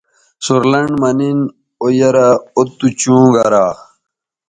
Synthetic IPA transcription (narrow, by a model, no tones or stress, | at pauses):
suɾlɐɳɖmɐnin | ojɐɾaot̪ːut͡ɕũːɡɐɾaː